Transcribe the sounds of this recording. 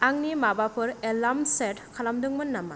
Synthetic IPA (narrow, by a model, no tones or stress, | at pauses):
aŋnimabapʰɯɾelamsetkʰalamdɯŋmɯnːama̰